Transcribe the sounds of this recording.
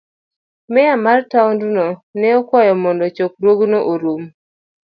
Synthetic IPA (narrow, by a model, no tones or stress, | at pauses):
mɛjamartawndunonɛɔkɔjɔmɔndɔt͡ʃok̚ɾwoɡnoʔoɾum